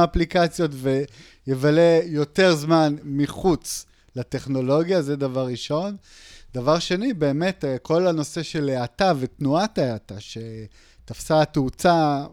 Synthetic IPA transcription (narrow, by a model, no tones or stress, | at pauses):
aplikat͡sjo̞tve | jevale̞jo̞te̞ʁzmanmiχut͡s | late̞χno̞lo̞ɡjazedavaʁːiʃo̞n | d̪avaʁʃe̞nibe̞ːme̞tkʰo̞lano̞se̞ʃe̞leatavetnuataataʃe | tafsatut͡sa